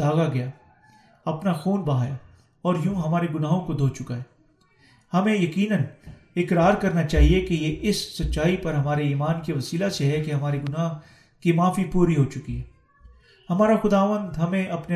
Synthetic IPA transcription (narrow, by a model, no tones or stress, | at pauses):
d̪aːɣaɡɐja | ɐpnaxuːnbɐɦaːja | ɔːɾjũːɦɐmaːɾeɡʊnaːɦõkod̪ʱoːt͡ʃʊkaɦɛː | hɐmẽjɐkiːnən | ɪkɾaːɾkɐɾnat͡ʃaːɦiekejeʔɪsːɐtːʃaːipɐɾɦɐmaːɾeiːmaːnkeʋɐsiːlaseɦɛkeɦɐmaːɾeɡʊnaːɦ | kimaːfipuːɾiɦot͡ʃʊkiɦɛː | hɐmaːɾaxʊd̪aːʋə̃nd̪ɦɐmẽʔɐpne